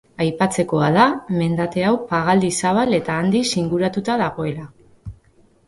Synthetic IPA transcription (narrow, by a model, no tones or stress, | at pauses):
ajpat͡se̞ko̞aðame̞nd̪at̪e̞awpaɣald̪isaβale̞t̪aːnd̪isiŋɡuɾat̪ut̪að̞aɣo̞e̞la